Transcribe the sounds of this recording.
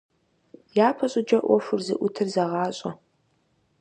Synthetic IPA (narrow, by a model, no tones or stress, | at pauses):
jaːpʰɐɕʼʊd͡ʒɐʔʷɔfɨrzɨ̰ʔʷʊtʰɨrzɐʁɑːɕʼɐ